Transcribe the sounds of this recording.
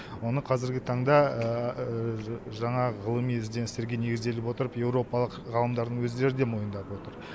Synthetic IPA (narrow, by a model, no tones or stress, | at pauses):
wo̞nəqʰɑzɪɾɡʲɪt̪ʰɑɴd̪ɑə | ʒɑɴɑʁəlˠəmijɪzd̪enɪst̪e̞ɾɡʲe̞ne̞ɡʲɪzd̪e̞lɪpwo̞t̪əɾəpje̞wɾo̞pɑlˠəqʁɑlˠəmd̪ɑɾd̪əɴwɵzd̪e̞ɾɪd̪e̞mo̞jənd̪ɑpwo̞t̪əɾ